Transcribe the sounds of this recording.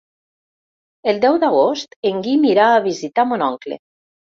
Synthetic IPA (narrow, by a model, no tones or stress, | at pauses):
elˠd̪ɛwd̪aɣ̞ost̪eŋɡimiɾaːβizit̪amonɔŋklḛ